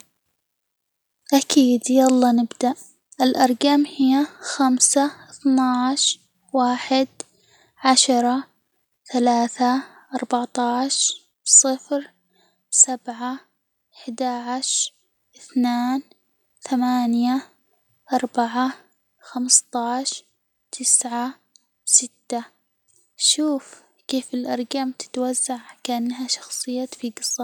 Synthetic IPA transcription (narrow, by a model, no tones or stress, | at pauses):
ʔakʰiːd̪jalˤːɑːnɪbd̪aʔ | ʔɪlʔɑɾˤɡamhɪjːaxamsaθnaʕʃ | waːħɪd̪ | ʕaʃɑɾˤɑ | θalaːθa | ʔɑɾˤbaʕt̪ˤɑːʃ | bsˤɨfɾ | sabʕa | ɪħd̪aʕʃ | ʔɪθnaːn | θamaːnja | ʔɑɾˤbaʕa | xamst̪ˤɑːʃ | t̪ʰɪsʕa | bsɪt̪ːa | ʃuːf | keːfɪlʔɑɾˤɡamt̪ɪ̥t̪wazːaʕkaʔanːɦaʃɑ̥xsˤɨjːafiɡɨsˤːɑ